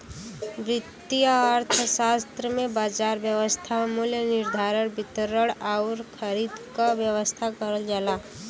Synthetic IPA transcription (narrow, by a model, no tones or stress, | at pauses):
bɾɪt̪ːiəɾt̪ʰəsaːst̪ɾəmẽbaːd͡ʒaːɾbjəʋəst̪ʰamuljənɪɾd̪ʱaːɾəɽbɪt̪əɾəɽaʊɾkʰəɾid̪kaʋjəʋəst̪ʰakəɾəld͡ʒala